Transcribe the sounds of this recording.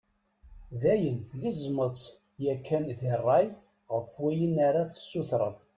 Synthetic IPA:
ðæjənθləzˤmət͡sˤ | jækːænðirˤːɑj | ʁəfwijənaɾaθə̥sːuθɾˤə̰ðˤ

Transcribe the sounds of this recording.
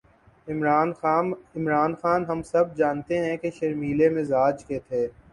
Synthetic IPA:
ɪaːnɪmɾaːnxaːnɦɐmsɐb̚d͡ʒaːnt̪eɦɛ̃keʃɐɾmiːlemɪzaːd͡ʒket̪ʰeː

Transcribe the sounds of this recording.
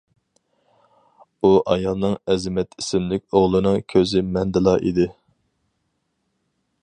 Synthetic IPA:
uʔɑjɑlˠnɨŋɛzɪmɛt̪ʰi̥sɪmlɪk̚ʲoʁlˠɨnɨŋkʲʰøzɪmɛnd̪ɨlˠɑʔḭd̪ɪ

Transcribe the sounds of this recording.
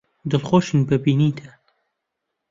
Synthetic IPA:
d̪ɨlχoːʃɨnbɐbiːnit̪ʰɐ

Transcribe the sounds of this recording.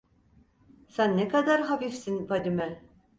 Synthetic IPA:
sænːekad̪aɾɦafifsinvad̪imɛ

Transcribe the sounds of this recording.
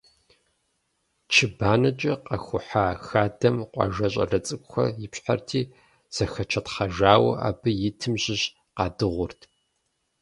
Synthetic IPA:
t͡ʃʰɪbaːnɐt͡ʃʼɐqɐxʷʊħaːxaːdɐmqʷʼɑ̰ʒɐɕʼɐ̰rɐt͡sʼɨkʷʼxʷɐ̰jɪpɕħartʰiː | z̥ɐxɐt͡ʃʰɐtχɐʒaːwɐ̰ʔa̰ːbɨjɪtʰɨmʑɪɕ | qɑːdɨʁʷʊrtʰ

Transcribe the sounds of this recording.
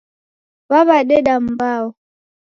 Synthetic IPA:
βaβaɗɛɗam̩bawɔ

